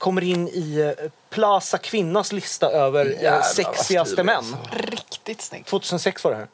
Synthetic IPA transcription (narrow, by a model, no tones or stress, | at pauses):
kʰɔmːəɾɪnːɪpʰlɑːsakʰvɪnːaslɪst̪aʔøːvəɾsɛksɪɡasəmɛnːɾɪkt̪ɪt̪t̪ʰv̥oːt̪ʰʉːsənsɛksvaɖɛhæ̰ːɾ